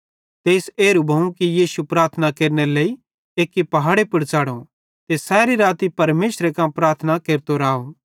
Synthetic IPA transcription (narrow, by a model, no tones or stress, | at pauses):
t̪eːseːɾubʱɐũkijiːsupɾaːɾt̪ʰnakeːɾnelei | eːkːipɐɦaːɽepʊɽt͡ʃaːɽõ | t̪esɛːɾiɾaːt̪ipɐɾmeːsɾekãpɾaːɾt̪ʰnakeːɾt̪oɾaːo